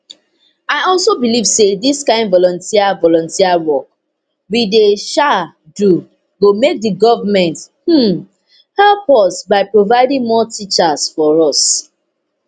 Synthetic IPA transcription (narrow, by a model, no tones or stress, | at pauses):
aɪɔlˠsobilivsediskãɪ̃ndvɔlɔ̃ntʰiavɔlɔ̃ntiawɔk̚ | wideʃa | du | ɡomek̚dəɡɔvamɛ̃nthm̩ | hɛlpɔsbaɪpɹovaɪdĩŋmɔtʰit͡ʃasfɔɹɔs